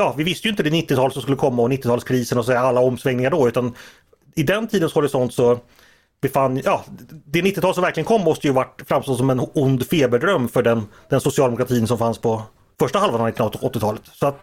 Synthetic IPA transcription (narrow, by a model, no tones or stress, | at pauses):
jɑːvɪvɪst̪əjʏɪnt̪əd̪ɛnɪt̪ːɪt̪ʰɑːlt̪sɔmskɵlːəkʰɔmːaɔnɪt̪ːɪt̪ʰɑːlskʰɾiːsənɔs̬ɛjːaalːaɔmsvɛŋnɪŋaɖɔʉ̟ːt̪an | ɪd̪ɛnt̪ʰiːd̪ənsɔhɔɾɪsɔnt̪sɔ | bɛfanːjɑːd̪ɛnɪt̪ːɪt̪ɑːlsɔmvæɾklɪɡənkʰɔmːɔst̪əjʉvaʈːfɾamst̪ɔlsɔmɛnʊnd̪feːbəɖɾœmːfœɖɛn | d̪ɛnsʊsɪɑːlɛmʊkɾat̪ʰiːnsɔmfanspʰɔ | fœʂʈahalvannɪt̪ɪnɔt̪ːɪt̪ʰɑːlət̪sɔat̪